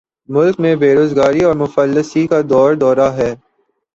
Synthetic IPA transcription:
mʊlkmẽbeːɾoːzɡaːɾiɔːɾmʊfəlːəsikad̪ɔːɾd̪ɔːɾaɦɛː

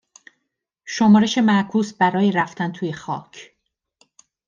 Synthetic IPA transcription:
ʃomɒːɾe̞ʃe̞mæʔkʰuːsbæɾɒːjeɾæft̪ænt̪ʰuːje̞xɒːcʰ

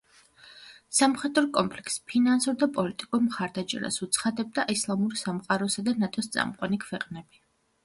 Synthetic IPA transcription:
samχɛt̪ʼɾɔɾkʼɔmpʰlɛkspʰinansuɾd̪apʼɔlit̪ʼikʼuɾmχaɾd̪at͡ʃʼɛ̰ɾa̰sut̪sʰχad̪ɛb̚d̪aʔislˠamuɾsamqʼaɾɔsad̪anat̪ʼɔst̪sʼa̰mqʼwanikʰvɛqʼnɛb̥i

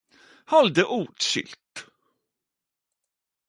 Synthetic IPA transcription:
hald̪əʔuːʈʃʏ̰lt̪

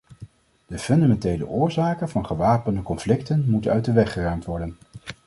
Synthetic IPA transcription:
d̥əfɵndamɛntejlə̰ʔʊːɹzaːkənvɑnχəʋaːpəndəkɔnflɪktənmutənœɥtdəʋɛχərœɥmtʋɔɹdən

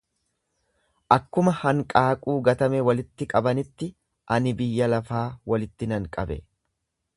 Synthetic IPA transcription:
ʔɐkːʊmɐhɐŋkʼaːkʼuːɡɐt̪ɐmɛwɐlɪt̪ːɪkʼɐbɐnɪt̪ːɪ | ʔɐnɪbɪjːɐlɐfaːwɐlɪt̪ːɪnɐŋkʼɐbɛ̰

